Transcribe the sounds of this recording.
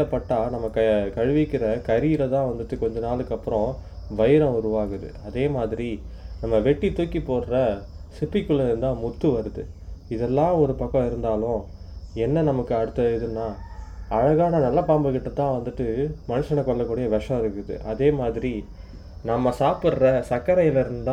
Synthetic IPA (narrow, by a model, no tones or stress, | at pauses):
ɐpːɐʈːaːnɐmːɐkɐkɐɻʋɪkːɪɾɐkɐɾiːɪɾɐt̪ãːʋɐnd̪ɯʈːɯkɔɲd͡ʒɐnaːlɯkːɐpːɯɾɔ̃ʋɐjɪɾɐ̃ʊɾɯʋaːɣɯðɯ̰ɐðeːmaːðɪɾinɐmːɐʋɛʈːit̪uːkːipoːɽɾɐsɪpːɪkːɯɭːɾɯnd̪ãːmʊt̪ːɯʋɐɾɯðɯɪðɛlːãːɔɾɯpɐkːɐ̃ɪɾɯnd̪aːlʊ̃ | ɛnːɐnɐmɐkːɯɐɽɯt̪ːɐðɯnːaːɐɻɐɣaːnɐnɐlːɐpaːmbɯkɪʈːɐt̪ːãːʋɐnd̪ɯʈːɯmɐnɯʂɐɳɐkːɔɭːɐkːuːɽɐjɐʋɐʂɐ̃ɪɾɯkːɯðɯ̰ʔɐðeːmaːðɪɾi | nɐmːɐsaːpɯɾɾɐsɐkːɐɾɐjɪlɐɪɾɯnd̪ã